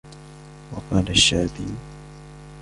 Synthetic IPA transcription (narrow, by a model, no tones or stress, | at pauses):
wɑqɑːlaʃːaːd̪iː